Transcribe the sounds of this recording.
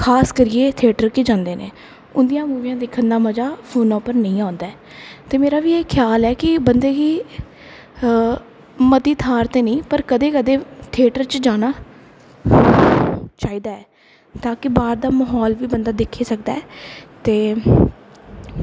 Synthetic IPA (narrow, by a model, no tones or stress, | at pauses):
kʰaːskəɾiːeːt̪ʰeːʈəɾkɪd͡ʒãːnd̪eːnḛː | ʊnd̪ijãːmuːʋijãːd̪ɪkʰənd̪aːməd͡ʒaːpʰoːnõːpəɾnəĩːãːnd̪aːɛːt̪eːmeːɾaːʋiːeːkʰjaːlɛːkɪbənd̪eːɡiː | mət̪iːt̪ʰaːɾt̪eːnəĩːpəɾkəd̪eːkəd̪eːt̪ʰeːʈəɾt͡ʃd͡ʒaːnaː | t͡ʃaːiːd̪aːɛː | t̪aːkɪbaːɾd̪aːməɦɔːlʋiːbənd̪aːd̪ɪkʰːeːsək̚d̪aːɛːt̪eː